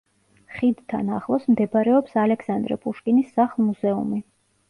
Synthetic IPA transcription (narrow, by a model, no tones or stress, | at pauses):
χid̪t̪ʰa̰naχlˠɔsmd̪ɛbɾɛɔpsalɛkʰsand̪ɾɛ̰pʼuʃkʼinisːaχlˠmuzɛṵmi